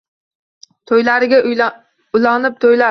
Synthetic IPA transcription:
t̪ʰojlaɾɪɡʲa | ʊlanɪp̚t̪ʰojla

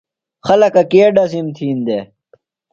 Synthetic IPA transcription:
xɐlɐkɐkeːɖɐsimt̪ʰiːnd̪eː

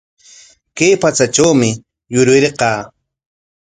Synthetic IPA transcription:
kajpat͡saʈ͡ʂawmɪ | jʊɾwɪɾqɑː

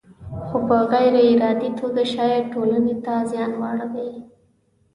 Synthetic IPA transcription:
xopəɣajɾaɪɾɑd̪it̪ʰoɡaʃɑjɑʈolanet̪azjɑnwɑɽd̪aj

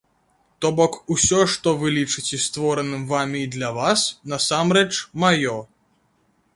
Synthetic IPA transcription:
t̪ɔbɔkusʲɔʂt̪ɔvɨlʲit͡ʂɨt͡sʲɛst̪vɔɾɐnɨmvamʲiːd̪lʲɐvasnɐsamɾɛt͡ʂmajɔ

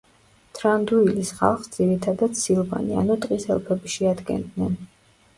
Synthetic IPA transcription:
t̪ʰɾand̪uilisχa̰lˠχsd̪ziɾit̪ʰad̪ad̪̥silˠva̰nia̰nut̪ʼqʼisɛ̰lˠpʰɛbiʃiad̪ɡɛ̰nd̪nɛn

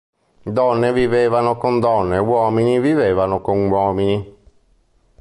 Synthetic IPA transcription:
d̪ɔnːevivevanokond̪ɔnːewɔːminiviveːvanokonwɔːmini

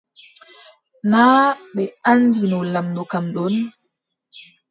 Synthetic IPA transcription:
naːɓɛand͡ʒinɔlamnɔkamɗɔn

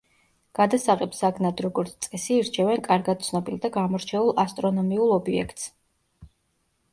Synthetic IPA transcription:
ɡ̥ad̪asaʁɛpsaɡnad̪ɾɔɡɔɾt̪sʰt̪sʼɛsiːɾt͡ʃʰɛvɛnkʼaɾɡad̪̥̚t̪sʰnɔbilˠd̪aɡamɔɾt͡ʃʰɛulˠast̪ʼɾɔnɔmiulˠɔbiɛ̰kʰt̪ʼs

